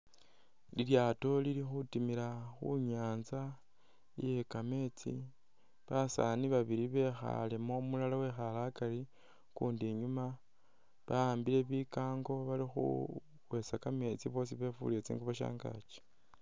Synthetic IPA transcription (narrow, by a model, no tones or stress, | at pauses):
liljato̞lilixutimilaxṵɲaːnza | ije̞kame̞t͡sḭ | βasa̰niβaβiɾiβe̞xa̰le̞mo̞mulalawe̞xalakali | kuːndeɲuma | βaaːmbile̞βikaːŋɡo̞βalixṵ | we̞t͡sakame̞t͡siβo̞ːs̬iβe̞fṵlet͡sḭŋɡuβaʃa̰ːŋɡa̰t͡ʃe̥